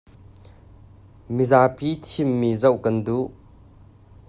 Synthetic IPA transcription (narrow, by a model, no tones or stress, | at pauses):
mizapit͡ʃʰimːizɐwʔkɐnd̪u